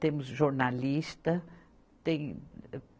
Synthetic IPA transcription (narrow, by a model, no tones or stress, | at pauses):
t̪ẽmʊzʒoɾnalist̪ɐ | t̪ẽj̃